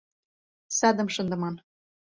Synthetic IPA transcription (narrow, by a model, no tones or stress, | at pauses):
sɑd̪ə̆mʃɤ̆nd̪ɤ̆mɑn